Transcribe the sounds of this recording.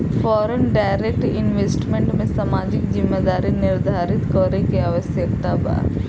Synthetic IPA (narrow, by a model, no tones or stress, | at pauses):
fʰɔːɾənɖaːɪɾek̚ʈɪnʋeːsʈmẽɳʈmẽsamaːd͡ʒɪkd͡ʒɪmːed̪aːɾinɪɾd̪ʱaːɾɪt̪kɔɾekeaːʋəsjək̚t̪aba̰ː